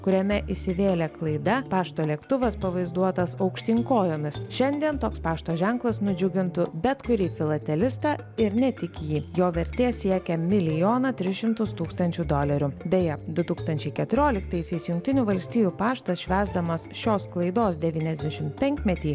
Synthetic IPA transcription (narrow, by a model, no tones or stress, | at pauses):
kʊɾʲɛmʲɛʔɪsʲɪʋʲeːlʲɛklˠɐɪd̪ɐpɑːʃt̪oːlʲiɛkt̪ʊʋɐspɐʋɐɪzd̪uɔt̪ɐsɐʊkʃʲt̪ʲɪŋkoːjomʲɪsʃʲɛnʲd̪ʲiɛnt̪oːkspɑːʃt̪oːʒʲɛŋklˠɐsnʊd͡ʒʲʊɡʲɪnt̪ʊbʲɛt̪kʊɾʲiːfʲɪlˠɐt̪ʲɛlʲɪst̪ɑ | ɪɾnʲɛt̪ʲɪkjiːjoːʋʲɛɾʲt̪ʲeːsʲiɛkʲɛmʲɪlʲɪjoːnɐt̪ʲɾʲɪsʃʲɪmt̪ʊst̪uːkst̪ɐnʲt͡ʃʲud̪oːlʲɛɾʲʊbʲejɛd̪ʊt̪uːkst̪ɐnʲt͡ʃʲɛɪkʲɛt̪ʊɾʲoːlʲɪkt̪ɐɪsʲɛɪsjʊŋʲk̚t̪ʲɪnʲʊʋɐlʲsʲt̪ʲiːjuːpɑːʃt̪ɐsʃʲʋʲæːzd̪ɐmɐsʃʲoːsklˠɐɪd̪oːsd̪ʲɛʋʲiːnʲɛzʲd̪ʲɛʃʲɪmtpʲɛŋʲkʲmʲɛt̪ʲiː